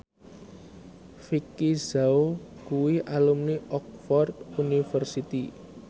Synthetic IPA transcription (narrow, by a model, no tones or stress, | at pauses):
fikizaokuwiʔalumniʔɔk̚fɔrd̪unifərsit̪i